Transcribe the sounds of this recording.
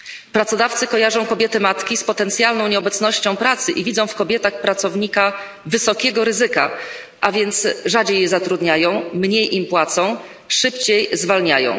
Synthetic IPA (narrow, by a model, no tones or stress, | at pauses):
pɾat̪sɔd̪aft̪sɘkɔjaʐɔ̃w̃kɔbʲjɛt̪ɘmat̪kʲispɔt̪ɛnt̪sʲjalnɔ̃w̃ɲɛɔbɛt̪snɔɕt͡ɕɔ̃w̃pɾat̪sɘʔivʲid̪zɔ̃w̃fkɔbʲjɛt̪axpɾat̪sɔvɲika | vɘsɔkʲɛɡɔɾɘzɘka̰ | ʔavʲjɛnt̪sʐad͡ʑejːɛzat̪ɾud̪ɲajɔ̃w̃mɲejʔimpwat̪sɔ̃w̃ | ʂɘpt͡ɕejzvalɲajɔ̰̃w̃